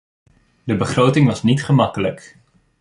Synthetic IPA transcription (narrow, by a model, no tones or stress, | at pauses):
dəbəχrowtɪŋʋɑsnitχəmɑkələk